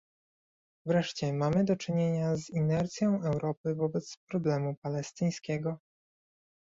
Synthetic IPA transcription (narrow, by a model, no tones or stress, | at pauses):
vɾɛʂt͡ɕɛmamɘd̪ɔt͡ʂɘɲeɲazinɛɾt̪sʲjɔ̃w̃ʔɛwɾɔpɘvɔbɛt̪spɾɔblɛmupalɛst̪ɘj̃skʲɛɡɔ